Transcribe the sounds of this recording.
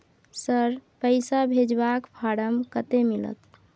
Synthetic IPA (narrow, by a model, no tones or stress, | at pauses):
səɾpəɪsabʱed͡ʒbakpʰaɽəmkət̪emilə̰t̪